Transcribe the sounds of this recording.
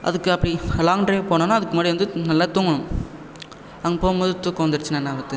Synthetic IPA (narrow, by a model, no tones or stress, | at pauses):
ʔɐ̰ðɯkːɯɐpːɐɽilaːŋɳʈɾɐepoːɳõːnːaːɐðɯkːɯmaːɽiʋɐnd̪ɯnɐlːaːt̪uːŋɡɐɳʊ̃m | ɐŋɡɐpoːmboːðɯt̪ːuːkːɐʋɐnd̪ɯɾɯt͡ʃːɯnanːaːbɐt̪ːɯ